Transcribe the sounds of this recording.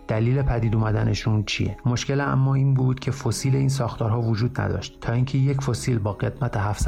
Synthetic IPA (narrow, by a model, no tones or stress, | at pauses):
d̪̥æliːle̞pʰæd̪iːd̪umæd̪æne̞ʃunt͡ʃʰḭje̞̰mo̞ʃce̞læ̰mːɒːiːnbuːd̪̥cʰe̞fosiːle̞iːns̬ɒːxt̪ʰɒːɾɦɒːvod͡ʒuːd̪næ̰d̪ɒ̰ʃt̪tʰːɒːiŋcʰe̞jecfo̞siːlbɒːɣe̞d̪mæt̪ʰeɦæfs